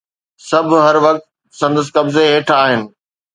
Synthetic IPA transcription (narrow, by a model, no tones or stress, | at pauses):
sɐbʱʊɦɐɾʋɐk̚t̪ | sɐ̃nd̪əs̬kɐbzeɦeːʈʰaːɦɪnɪ̆